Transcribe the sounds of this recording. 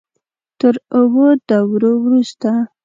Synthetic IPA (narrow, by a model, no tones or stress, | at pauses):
t̪əɾuwod̪awɾowɾust̪a